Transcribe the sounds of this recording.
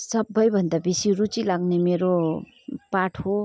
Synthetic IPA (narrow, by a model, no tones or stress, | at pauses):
sʌbʌjbʱʌnd̪abisiɾut͡silaɡnemeɾo | paʈʰo